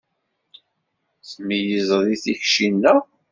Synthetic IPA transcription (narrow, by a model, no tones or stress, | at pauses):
θmijəzˤəðiθiçʃinːæ